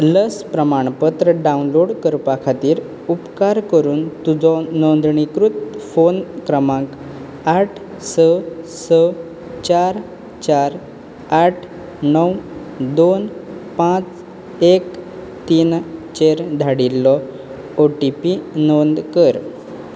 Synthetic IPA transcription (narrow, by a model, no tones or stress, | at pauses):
ləspɾəmaɳ̃pət̪ɾəɖaunloɽkəɾpakʰat̪iːɾ | upkaɾkəɾuːnt̪ud͡zɔnɔnd̪ɳikɾut̪̚fonkɾəmãk | aʈʰ | səsə | t͡ɕaɾ | t͡ɕaɾ | aʈʰ | nəw | d̪onpãt͡s | ek | t̪iːnt͡ɕeɾd̪ʱaɽilːɔ | oʈipinond̪kəɾ